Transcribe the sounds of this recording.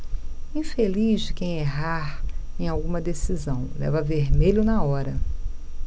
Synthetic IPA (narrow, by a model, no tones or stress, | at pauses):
ĩfeliʒd͡ʒɪkẽj̃eɦaɾẽj̃awɡũmɐd̪esizɐ̃w̃lɛ̰vɐveɾmeʎʊnɐɔɾɐ